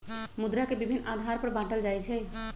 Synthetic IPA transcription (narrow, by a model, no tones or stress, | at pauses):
mud̪ɾakebibʱinːad̪ʱaɾpəɾbãʈəld͡ʒajt͡ʃʰɛ